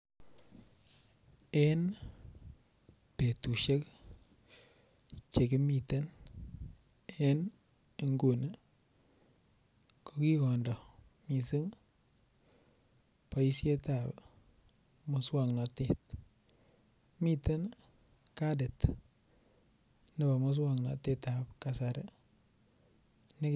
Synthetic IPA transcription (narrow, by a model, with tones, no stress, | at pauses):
e˦n | pe˨tu˨ʃe˦k | t͡ʃe˨kɪ˦mi˨t̪e˦n | e˦n˨ | ŋɡo˨n | ko˦ki˦kɔ˨ndɔ˨ | mi˨si˦ŋ | pa˨i˦sje˦ta˨p | mʊ˨swa˨ŋnɔ˨te˨t | mi˦te˦n | ka˦dɪ˨t | nɪ˦ba˨mʊ˦s̬wa˦ŋnɔ̰˨te˦ta˨pka˨saɾe˦ | nɪ˦